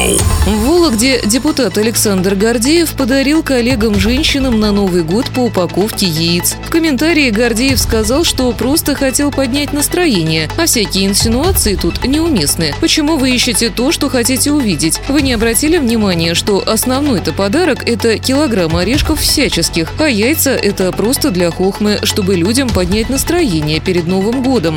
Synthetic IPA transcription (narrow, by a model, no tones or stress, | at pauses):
volˠəɡdʲedʲɪpʊt̪at̪ɐlʲɪksand̪rɡɐrdʲejɪfpəd̪ɐɾʲilˠkɐlʲe̞ɡəmʐɛnʲɕːɪnəmnɐnovɨjɡo̞t̪pəʊpɐko̞fkʲɪjɪit̪sfkəmʲɪnt̪aɾʲɪːɡɐrdʲejɪfskɐzɑlˠʂt̪o̞pɾo̞st̪əxɐtʲe̞lˠpɐdʲnʲætʲnəst̪ɾɐjenʲɪjəɐfsʲækʲɪjəɪnsʲɪnʊat̪sɨɪt̪ut̪nʲɪʊmʲe̞snɨpət͡ɕɪmuvɨiɕːɪtʲɪt̪o̞ʂt̪o̞xɐtʲitʲɪʊvʲidʲɪtʲvɨnʲɪɐbɾɐtʲilʲɪvnʲɪmanʲɪjəʂt̪o̞ʔɐsnɐvn̪o̞jt̪əpɐd̪aɾəkɛt̪əkʲɪlˠɐɡɾamɐɾʲeʂkəffsʲæt͡ɕɪskʲɪxɐjæjt̪səʔɛt̪əpɾo̞st̪əd̪lʲɐxo̞xmɨʂt̪o̞bɨlʲudʲəmpɐdʲnʲæt̚ʲnəst̪ɾɐjenʲɪjəpʲɪɾʲɪd̪no̞vɨmɡo̞d̪əm